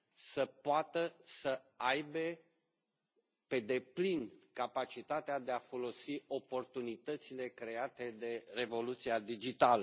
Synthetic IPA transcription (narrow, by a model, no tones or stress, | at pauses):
səpoat̪əsəajbe̞ | pe̞d̪e̞plinkapat͡ʃit̪at̪ead̪e̞afo̞lo̞sio̞po̞rt̪unit̪ət̪sile̞kɾe̞at̪e̞d̪e̞re̞vo̞lut̪siad̪id͡ʒit̪alə